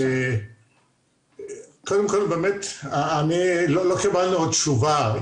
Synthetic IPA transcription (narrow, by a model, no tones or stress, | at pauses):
e | kod̪emkolbeːmet̪aanilolokibalnuod̪t͡ʃuva